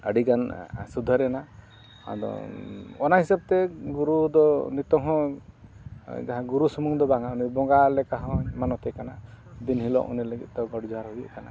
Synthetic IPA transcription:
əɽikansud̪ʱɔɾɛna | a̰d̪ɔ̰ɔnaɦisab̚t̪eɡuɾud̪ɔnit̪ɔŋɦɔ̃ | d͡ʒaɦãɡuɾusumuŋd̪ɔbaŋaunibɔŋɡalɛkaɦɔ̃manɔt̪ɛkanad̪inɦilɔ̰ʔṵnileɡiʔt̪ɔɡɔɽid͡ʒɔɦaɾɦujiʔkana̰

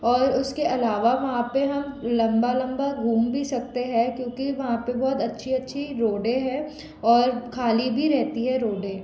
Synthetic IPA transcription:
ɔːɾʊskeʔɐlaːʋaʋɐɦãpeɦɐmlɐ̃mbalɐ̃mbaɡʱuːmbʱisɐk̚t̪eɦɛ̃kjõːkiʋɐɦãpebɔːt̪ɐtːʃʰiɐtːʃʰiɾoːɖẽɦɛ̃ | ɔːɾkʰaːlibʱiɾɛɦt̪iɦɛɾoːɖeː

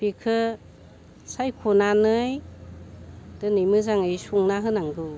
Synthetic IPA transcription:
pikʰɯ | sajkʰunanɯj | d̥ɯnɯjmɯzaŋɯjsuŋnaɦɯnaŋɡɯ

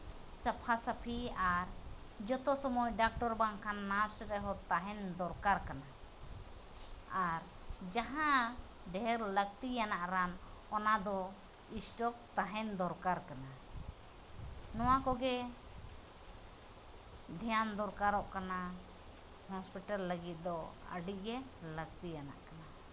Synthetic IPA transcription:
səpʰasəpʰiaɾ | d͡ʒɔt̪ɔsɔmɔcɖak̚ʈɔɾbaŋkʰanːaɾsɾɛɦɔt̪aɦɛnd̪ɔɾkaɾkana | aɾ | d͡ʒaɦã | ɖɛɾləɡ̚t̪ijanaʔɾanɔnad̪ɔ | isʈɔk̚t̪aɦɛnd̪ɔɾkaɾkana | nɔwakɔɡɛ | d̪ʱɛjand̪ɔɾkaɾɔʔkana | hɔspiʈalːəɡit̪̚d̪ɔ | ə̰ɖiʔ̚ˀɡɛləɡ̚t̪ijana̰ʔkana

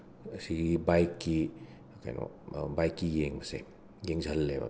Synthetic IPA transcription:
siɡibajkːi | kajno̰ | bajkːijeŋmɐse | jeŋzʱɐlːeba̰

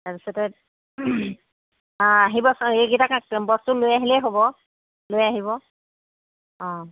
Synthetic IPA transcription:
taɹpi̥sɔtɛ | aɦibɔseɡitakãkbɔstulojaɦilɛɦobɔ | lojaɦibɔ | ɔ̃

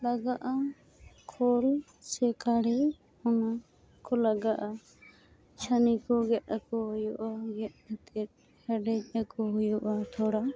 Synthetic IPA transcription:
laɡaʔa | kʰɔl | sɛkʰaɽi | ɔna | kɔlaɡaʔa | t͡ʃʰanikɔɡɛʔ̪akɔɦujɔʔaɡɛʔ̪̚at̪ɛt̪̚ | hɛɖɛd͡ʒˀakɔɦujɔʔat̪ʰɔɽa

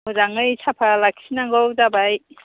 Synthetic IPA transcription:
ɔzaŋɯjsʰapʰalakʰi̥sinaŋɡɔdabaj

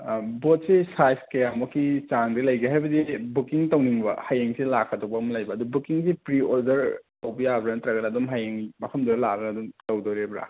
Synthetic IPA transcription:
bot̚sesajskejamɐkʰːit͡ʃaŋdilɐjɡiɦajbɐdibukiŋtɐwniŋbɐ̰hajeŋselakʰːɐtowbɐɐmɐlɐjbɐːdubukiŋsipɾioɾdɐɾtɐwbɐjabɾanɐtɾaɡɐnadumɦajeŋmɐkʰɐmdɐɾlaɡɐnɐdumtɐwdoɾebɾa̰

